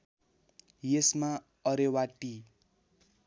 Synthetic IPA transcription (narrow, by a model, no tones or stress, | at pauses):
jesma | ʌɾewaʈi